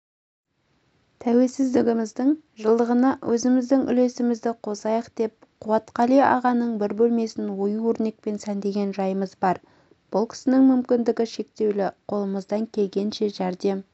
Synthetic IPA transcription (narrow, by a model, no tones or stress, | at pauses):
t̪ʰæwe̞lsɪzd̪ɪɡʲɪmɪzd̪ɪɴ | ʒəlˠd̪əʁənɑwʔɵzɪmɪzd̪ɪŋʔʏ̰le̞sɪmɪzd̪ɪqʰo̞sɑjəqd̪̥e̞p̚qʰuwɑt̪qɑlijɑ̰ʁɑnəɴbɪɾbɵlme̞sɪnwo̞juwɵɾne̞k̚pe̞nsænd̪e̞ɡʲe̞nʒɑjəməzbɑɾ | b̥ʊlˠkʲʰɪ̥sɪnɪŋmʏmkʲɪnd̪ɪɡʲɪʃe̞k̚t̪e̞wlɪqʰo̞lˠəməzd̪ɑŋkʲʰe̞lɡʲe̞nʃe̞ʒæɾd̪e̞m